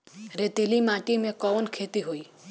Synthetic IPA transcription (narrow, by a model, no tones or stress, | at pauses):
ɾet̪elimãʈimẽkɔʋənkʰet̪iɦoi